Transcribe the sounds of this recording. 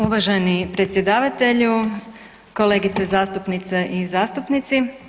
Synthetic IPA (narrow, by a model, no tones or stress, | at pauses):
uʋaʒenipɾe̞t̪sje̞d̪aːʋat̪e̞ʎu | ko̞le̞ːɡit̪sezaːst̪upnit̪seʔizaːst̪upnit̪si